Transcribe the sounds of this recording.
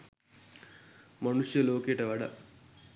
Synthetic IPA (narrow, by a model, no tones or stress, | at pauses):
mɐnuʂjɐloːkeːʈɐʋɐɽɐ̰